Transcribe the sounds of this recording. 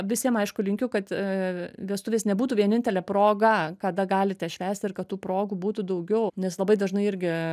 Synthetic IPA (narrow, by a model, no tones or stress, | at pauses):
ʋʲɪsʲiɛmɐɪʃkʊlʲɪŋʲkʲʊkɐt̪ | ʋʲiɛst̪ʊʋʲeːsnʲɛbuːt̪uːʋʲiɛnʲɪnʲt̪ʲɛlʲɛpɾoːɡɐkɐd̪ɐɡɑːlʲɪt̪ʲɛʃʲʋʲæːsʲt̪ʲɪɾkɐt̪t̪ːuːpɾoːɡubuːt̪ud̪ɐʊɡʲɛʊnʲɛslˠɐbɐɪd̪ɐʒnɐɪɪɾʲɡʲɪ